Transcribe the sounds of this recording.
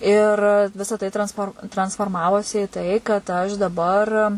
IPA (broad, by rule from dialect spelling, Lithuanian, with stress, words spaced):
ɪr ˈʋʲɪsɐ tɐɪ trɐnsˈfoːr trɐnsfoːrˈmɑːʋoːsʲɪ ɪ ˈtɐɪ kɐt ˈɐʃ dɐˈbɐr